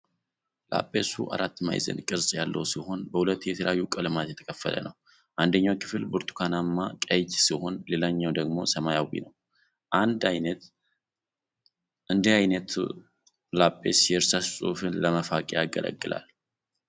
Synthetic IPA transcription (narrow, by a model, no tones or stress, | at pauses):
la̰pʼːe̞sṵʔa̰ɾat̪ːma̰jzə̰nkʼɨɾsʼjalːəwsiho̞nbəhulət̪ːjɛt̪ʰəljajːukʼəlɨmat̪jɛt̪ʰə̥kʰəfːə̰lə̰nʔəw | ʔand̪əɲːawkʰɨ̥fɨlbuɾt̪ʰʼu̥kʰanamːakʼəd͡ʒsiho̞nlelaɲːawd̪əɡmo̞̰səmajawḭnəw | ʔand̪ajnət̪ | ʔɨnd̪iajnət̪ | lapʼːe̞̰sjɛɾsassʼṵfɨnləməfakʼejaɡə̰lə̰ɡːɨla̰l